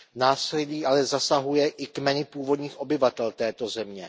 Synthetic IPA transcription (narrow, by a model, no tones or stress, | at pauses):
naːslɛliːʔalɛzasaɦujɛʔɪkmɛnɪpuːvo̞dɲiːxʔo̞bɪvat̪ɛlt̪ɛːt̪o̞zɛmɲɛ